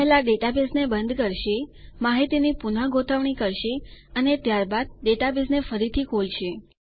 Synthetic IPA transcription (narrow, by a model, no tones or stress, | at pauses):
ɦelaɖeʈabesnebənd̪kəɾʃemaɦit̪inipunəɡot̪ʰəʋɳikəɾʃeənet̪jaɾbad̪̚ɖeʈabesnefəɾit̪ʰikʰolʃe